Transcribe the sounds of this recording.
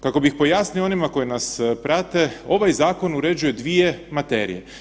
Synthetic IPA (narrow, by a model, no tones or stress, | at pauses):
kako̞bixpo̞jasnijoo̞nimako̞jinaspɾat̪e̞o̞ʋajzaːko̞nuɾe̞d͡ʒuje̞d̪ʋije̞mat̪e̞̰ɾḭje